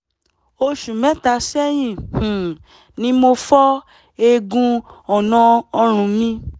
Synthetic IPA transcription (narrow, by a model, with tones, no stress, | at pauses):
o˧ʃu˨mɛ̃˦ta˧sɛ˦j̃ĩ˦˨h̩˨ | nĩ˨˦mo˧fɔ˦ | e˧ɡũ˧ɔ˨nɔ̃˧ɔ˧ɾ̃ũ˨˧mĩ˧